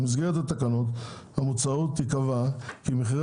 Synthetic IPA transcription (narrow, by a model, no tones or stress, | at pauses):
miz̬ɡeʁet̪at̪akano̞t̪hamut͡saut̪ːikavakimiχiʁ